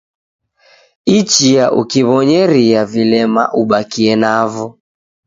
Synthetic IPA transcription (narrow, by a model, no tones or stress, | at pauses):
it͡ʃijaʔṵkiβɔɲɛɾiavilɛma̰ʔuɓakiɛnavɔ